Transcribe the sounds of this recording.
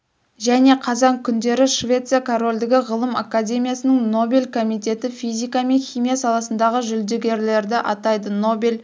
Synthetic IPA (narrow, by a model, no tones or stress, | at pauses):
ʒæne̞qʰɑzɑŋkʲʰʏnd̪e̞ɾɪʃvʲe̞t̪sɨjakʰoɾo̞lʲd̪ɪɡʲɪʁəlˠəmakad̪ʲe̞mʲijasənəŋno̞bʲelʲkʰo̞mijt̪e̞t̪ɪfijzʲijkɑme̞nχʲijmijasɑlˠɑsənd̪ɑʁəʒʏld̪ɪɡʲe̞ɾle̞ɾd̪ɪʔɑt̪ɑjd̪əno̞bʲelʲ